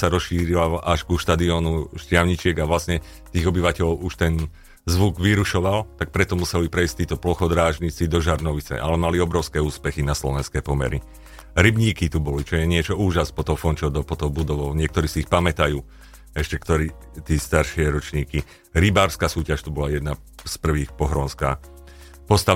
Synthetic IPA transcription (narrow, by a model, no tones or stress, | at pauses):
saɾɔsʃiːɾilalaʒɡuʃt̪ad̪iɔːnuʃcɪaʊɲit͡ʃɪɛɡaʋlasɲɛ | t̪iːɣɔbiʋacɛʎɔʊuʃt̪ɛn | zʋuɡʋiɾuʃɔʋalt̪ak̚pɾɛt̪ɔmusɛlipɾɛisct̪iːt̪ɔplɔxɔd̪ɾaːʒɲit͡sid̪ɔʒaɾnɔʋit͡sɛ̰ʔalɛmaliɔbɾɔʊskɛːuːspɛxinaslɔʋɛnskɛːpɔmɛ̰ɾi | ɾibɲiːkit̪ubɔlit͡ʃɔjɛɲɪɛt͡ʃɔuːʒaspɔt̪ɔʊfɔnt͡ʃɔʊd̪ɔpɔt̪ɔʊbud̪ɔʋɔʊɲɪɛk̚t̪ɔɾiːsiixpamɛt̪ajuː | ɛʃcɛkt̪ɔɾiː | t̪iːst̪aɾʃɪɛɾɔt͡ʃɲiːki | ɾibaːɾskaːsuːcaʃt̪ubɔlajɛd̪na | spr̩ʋiːxpɔɦɾɔnska̰ː | pɔst̪a